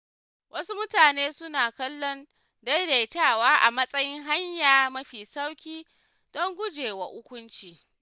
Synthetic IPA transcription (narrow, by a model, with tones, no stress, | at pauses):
wʔɐ˦su˦mʊ˦taː˨neː˦sʊ˦naː˨kɐ˦lːɔ˦n | dɐ˦jde˨jtaː˦˨waː˦ʔa˨mɐ˦sʼɐ˦jɪ˦ŋɦa˦ɲjaː˨mɐ˦ɸiː˨sa˦wkʲiː˦ | d̥ɔ˦ŋɡʷʊ˦d͡ʒeː˨wa̰˨hʊ˦kʷʊ˦nt͡ʃiː˨